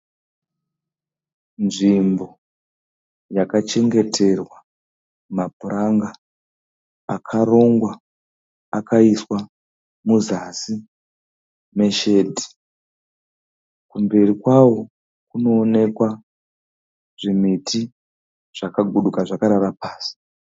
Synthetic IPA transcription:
nʐimbo̞ | jakat͡ʃe̞ŋɡe̞tʰe̞rwa | mabuɾaŋɡa | kʰaro̞ŋɡwa | akʰaiswa | muzasi | me̞ʃeːdʱi̥ | kumbe̞rikwawo̞ | kuno̞ːne̞kwa | ʐ̥imitʰi | ʐ̥akaɡʱuɗukaʐakaɾaɾapaːsi̥

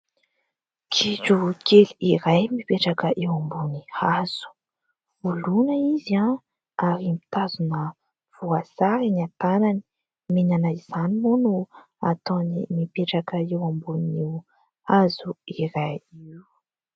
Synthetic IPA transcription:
kʰiʈ͡ʂukʰeliiɾajmipeʈ͡ʂakəʔewambunihaz̥u̥ | vulunəizia | aɾimit̪azunə | v̥uasaɾanat̪anani̥ | minanaiz̥animonu | a̰t̪onimipeʈ͡ʂakəiwambuniw | azuiɾajiwu

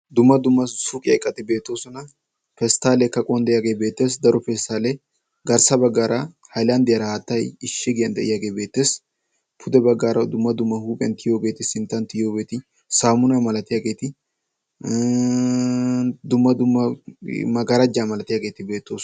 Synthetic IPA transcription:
d̪ʊmːɐd̪ʊmːɐsukʼɪjɐɪkʼːɐt̪ɪbe̞ːt̪ːo̞ːsɔnɐ | fɛst̪aːlɛkɐkʼɔnd̪ɛjaːɡe̞ːbeːt̪ːe̞ːs̬d̪ɐɾɔfɛst̪aːle | ɡɐɾsɐbɐɡːaːɾʔɐ | hɐjland̪ɪjɐɾɐhaːt̪ːɐjɪʃːɛɡɪjɐnd̪ɐʔɪ̰jaːɡe̞ːbeːt̪ːe̞ːs | pʰʊd̪ɛbɐɡːaːɾɐd̪ʊmːɐd̪ʊmːɐhuːpʼɪjɐ̰nt̪ɪjo̞ːɡe̞ːt̪ɪsɪnt̪ːɐnt̪ɪjo̞ːbeːt̪ɪ | saːmʊnamɐlɐt̪ɪjaːɡe̞ːt̪ɪ | d̪ʊmːɐd̪ʊmːɐmɐɡɐɾɐd͡ʒaːmɐlɐt̪ɪjaːɡe̞ːt̪ɪbe̞ːt̪ːoːs

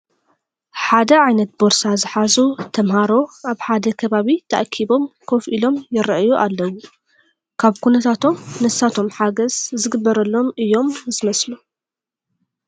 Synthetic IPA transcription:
ħad̪ɐʕajnɐt̪̚boɾsazɨħazut̪ʰɐmhaɾo̞ʔaβħad̪ɐkʰɐβaβit̪ʰɐʔkʰiβo̞mkʰo̞fʔilo̞mjɪɾʔjuʔalːɐwːu | kʰaβkʰunɐt̪ʰat̪ʰo̞mnɨsːat̪ʰo̞mħaɡɐzzɨɡɨbːɐɾɐlːo̞mɨjːo̞mzɨmɐslu

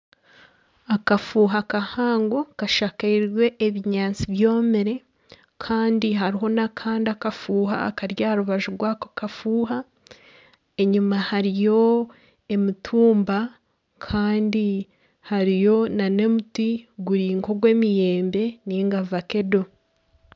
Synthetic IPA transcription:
akafuːɦakahaːŋɡo̞kaʃakaiwe̞ʔːβiɲaːnt͡siβjo̞ːmeɾe̞ | kʰaːndiɦaɾiɦo̞nakʰaːndiakafuːɦa̰ːkaɾjaːɾuβaʒuɾɡwaːko̥kafuːɦa | e̞ɲumahaɾijo̞ | e̞mitʰuːmba | kʰaːndi | haɾijo̞nane̞mutiɡuɾiːŋko̞ɡwe̞ːmije̞ːmbe̞niŋɡavake̞do̞

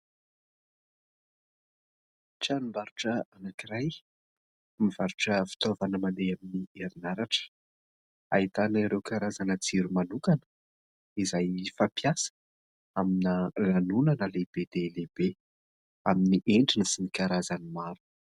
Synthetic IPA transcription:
ʈ͡ʂanimbaɾuʈ͡ʂəanakiɾaj | miv̥aɾuʈ͡ʂəfi̥t̪ovanəmand̪eaminieɾinaɾaʈ͡ʂə̥ | a̰it̪anaiɾewkaɾazanət͡siɾumanukanə̥ | izajfapjasə̥ | aminəlanunanəleb̥ed̪elebe | aminiʔeɳɖ͡ʐinəsinikaɾazanimaɾu̥

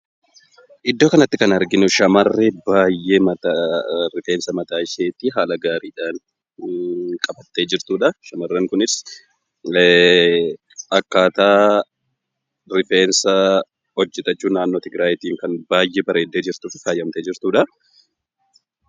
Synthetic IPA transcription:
ʔɪd̪ːoːkɐnɐt̪ːɪkɐnɐɾɡɪnʊʃɐmɐrːebaːjːʔe̞ːmɐt̪aɾɪfeːnsɐmɐt̪aːɪʃeːt̪iːɦaːlɐɡaːɾiːᶑaːn | kʼɐbɐt̪ːe̞ːd͡ʒɪɾt̪uːᶑɐʃɐmɐrːɐŋkʊnɪs | ɐkːaːt̪aː | ɾɪfe̞ːnsɐ | hɔd͡ʒːɛt̪ʼɐt͡ʃːuːnaːnːo̞ːt̪ɪɡɾaːjɪt̪iːŋkɐnbaːjʔeːbɐɾeːd̪ːe̞ːd͡ʒɪɾt̪uːfɪfaːjːɐmt̪eːd͡ʒɪɾt̪uːᶑɐ

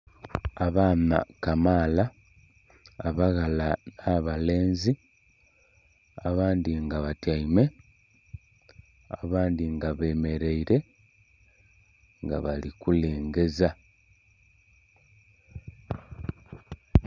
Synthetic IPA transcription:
aβaːna̰kamaːla | βaɣalanaβale̞ːnzi | aβaːndiŋɡaβataime̞ | aβaːndiŋɡaβe̞ːme̞ɾe̞iɾe̞ | ŋɡa̰βalikuleːŋɡe̞za

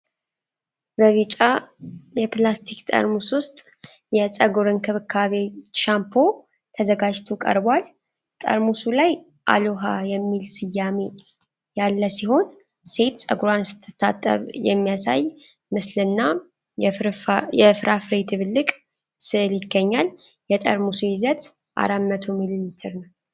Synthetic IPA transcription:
bəβɨt͡ʃʼajɛplast̪ʰikt̪ʼə̰ɾmuswʊst̪ʼ | jɛsʼəɡuɾɨnkʰɨβɨkʰːaβe̞ʃampʰo̞ | t̪ʰəzəɡad͡ʒt̪ʰukʼə̰ɾbʷal | t̪ʼə̰ɾmusulaj | ʔa̰loɦajɛmːilsɨjːame̞ | jalːəsiho̞n | se̞t̪sʼə̰ɡuɾansɨ̥t̪ʰːɨ̥t̪ʰːat̪ʼːə̰βjɛ̰mːijasa̰j | mɨslɨnːa | jɛfɾʔafɾed̪ʰɨβɨlːɨkʼ | sɨljɪɡːəɲːal | jɛt̪ʼə̰ɾmusujɪzət̪ | ʔa̰ɾamːət̪ʰomilɨnt̪ʰɨɾnəw

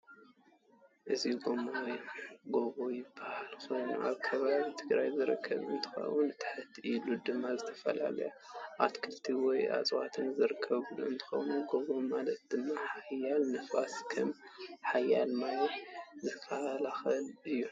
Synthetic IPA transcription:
ʔɨziɡo̞majɡo̞βo̞jɪbːahalxʰojnʔa̰βkʰɐβaβit̪ʰɨɡɾajzɨɾɨ̰kʰːɐ̰βɨ̰nt̪ʰɨ̥xɐ̰wunt̪ʰɨ̥ħɨt̪ʰːʔilud̪ɨmːazɨt̪ʰɐ̥fɐ̰la̰lɐ̰jaʔat̪kʰɨlt̪ʰiwɔja̰t͡sʼwat̪ʰɨnzɨɾɨkʰːɐβuluɨnt̪ʰɨ̥xɐ̰wnuɡo̞βo̞malɐt̪̚d̪̥ɨmːaħajalnɨfaskʰɐmħajːalmajzɨkʰalaxɐlɨjːu

